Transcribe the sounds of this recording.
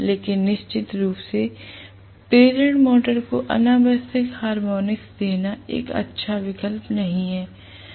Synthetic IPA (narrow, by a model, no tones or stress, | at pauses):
leːkɪnːɪʃt͡ʃɪt̪ɾuːpse | peːd͡ʒə̃ɳʈmoːʈəɾkoʔɐ̰naːbəsɪkhaːɾmoːnɪksd̪eːnaḛːkɐ̰tːʃʰaʋɪkəlpnɐɦĩɦɛː